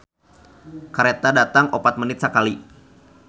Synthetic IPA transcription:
kaɾet̪adat̪aŋopat̪̚mənɪt̪̚səkali

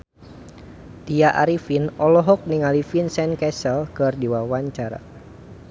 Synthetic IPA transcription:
t̪ijaʔaɾifinɔlɔɦɔk̚niŋalifinsɛnkɛsɛlkərdiwawaɲt͡ʃaɾa̰

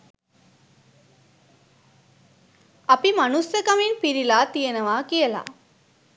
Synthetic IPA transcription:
ɐpimanusjəkɐminpiɾilaːt̪ijenəʋaːkijəla̰

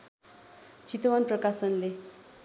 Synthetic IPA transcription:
t͡sit̪ʌwʌnprʌkasʌnle

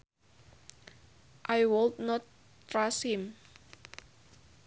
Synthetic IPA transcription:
ʔajwolt̪nɔt̪ː | ɹashim

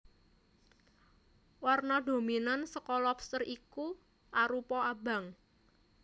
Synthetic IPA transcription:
warnɔd̪o̤minansəkɔlɔpst̪əriku | ʔaɾupɔaba̤ŋ

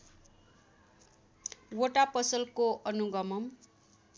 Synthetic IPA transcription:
woʈapʌsʌlkoʔʌnuɡʌmʌm

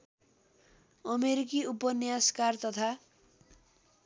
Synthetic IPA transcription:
ʌmeɾikiupʌnjaskart̪ʌt̪ʰa

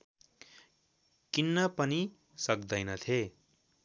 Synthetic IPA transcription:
kinːʌpʌni | sʌkd̪ʌjnʌt̪ʰe

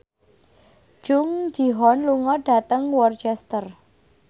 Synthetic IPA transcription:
d͡ʒ̥ʊŋd͡ʒiɦɔnluŋɔɖ̥a̤t̪əŋwɔrt͡ʃɛst̪ər

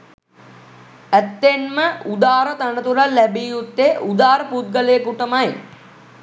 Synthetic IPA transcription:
æt̪ːenməud̪aːɾət̪anət̪uɾalːæbiːjut̪ːeʔud̪aːɾəput̪̚ɡəlejəkuʈəmaj

